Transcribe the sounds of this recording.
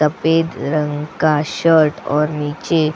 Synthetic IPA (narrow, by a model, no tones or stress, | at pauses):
əped̪ɾəŋkaɕəɾʈɔ̰ɾnit͡ɕe